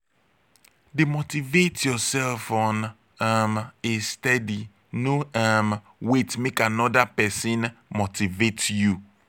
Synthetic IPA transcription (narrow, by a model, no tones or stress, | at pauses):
demotivetjɔsɛlfɔ̃n | amestɛdi | noam | wetmekanɔdapɛsĩnmotivetju